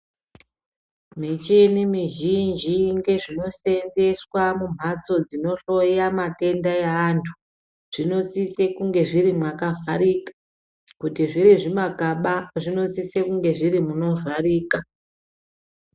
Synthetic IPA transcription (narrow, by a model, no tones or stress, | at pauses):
mit͡ʃinimiʒind͡ʒiŋɡeʐino̞se̞nze̞swamum̤ʱat͡so̞d͡zino̞ɬo̞jamate̞ndajeantʰu̥ | ʐ̥ino̞sise̞kuŋɡe̞ʐiɾimwakavʱaɾiːkḁ | kutiʐiɾiʐimakaɓaʐino̞sisekuŋɡe̞ʐiɾimuno̞variːka